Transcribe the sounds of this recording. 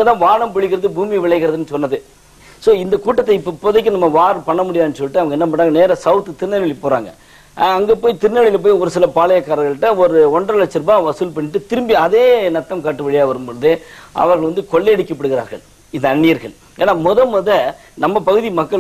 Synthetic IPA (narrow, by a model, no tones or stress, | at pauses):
ɐt̪ãːʋaːɳɐmpɪɭɪkːɪɾɐðɯbuːmiʋɪɭɐɪɣɪɾɐðɯnːɯsɔnːɐðɯ | soːɪnd̪ɐkuːʈːɐt̪ːɐɪpːopːoːðɐk̬ːɯnɐmːɐʋaːɾɯpɐɳːɐmʊɽɪjaðɯnːɯsɔlːɪʈːɯɐʋɐŋɡɐɛnːɐp̬ɐɳʈːaːŋɡɐneːɾɐsɐʊt̪ːɯt̪ɪɾnɐɭɪlɪpoːɾa̰ːŋɡɐ̰ | ɐŋɡeːpoːjit̪ɪɾnɐɭɪlɐp̬oːjɔɾɯsɪlɐpaːɭɐjɐkːaːɾɐɡɐɭʈːɐ̃ːɔɾɯɔɳɖrɐlɐt͡ʃːɪɾbãːʋɐsɯlpɐɳːɪʈːɯt̪ɪɾɯmbiɐðeːnɐt̪ːɐmkaːʈːɯʋɛɭɪjaːʋɐɾɯmbɔɭɯðɯʔɐ̰ʋɐɾɣɐɭʋɐnd̪ɯkɔɭːɛːɽɯkːɐpːɐɽɯɣɪɾa̰ːɾɣɐ̰ɭ | ɪnd̪ɐːɳːɪjɐɾɣɐɭ | ḛːnːaːmɔðɐmɔðɐ | nɐmːɐpɐɣɯðimɐkːɐɭ